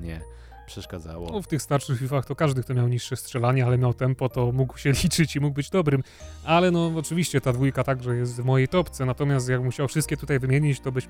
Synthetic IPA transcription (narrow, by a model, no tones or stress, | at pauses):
ɲɛ̰ | pʂɛʂkad̪za̰wɔ̰ɔft̪ɘxst̪aɾʂɨxfʲifaxt̪ɔkaʐd̪ɘkt̪ɔmʲjawɲiʂːɛstʂɛlaɲɛalɛmʲjawt̪ɛmpɔt̪ɔmuɡwɕɛlʲit͡ʂɘt͡ɕimuɡ̚bɘd͡ʑd̪ɔbɾɘm | alɛnɔɔt͡ʂɨvʲiɕt͡ɕɛt̪ad̪vujkat̪aɡʐɛjɛst̪vmɔjejt̪ɔpt̪sɛnat̪ɔmʲjast̪jakmuɕawfʂst̪̚kʲɛt̪ut̪ajvɘmʲjeɲit͡ɕt̪ɔbɘt͡ɕ